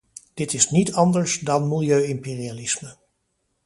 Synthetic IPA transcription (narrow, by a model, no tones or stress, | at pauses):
d̥ɪtɪsnitɑndəɹsdɑnmɪlˠjøɥɪmpeːrialɪsmə